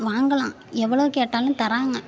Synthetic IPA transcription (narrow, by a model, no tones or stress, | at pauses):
ʋaːŋɡɐɭã̰ː | ɛʋːɐɭɐʋɯkeːʈːaːlʊ̃t̪ɐɾaːŋɡɐ